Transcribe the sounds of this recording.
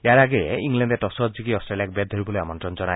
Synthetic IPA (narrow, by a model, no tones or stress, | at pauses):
eaɾaɡeiŋlenɖeʈɔsɔd͡ʑikiɔstɾelijak̚bed̪ʱoɾibɔleamɔntɾɔnd͡ʒɔna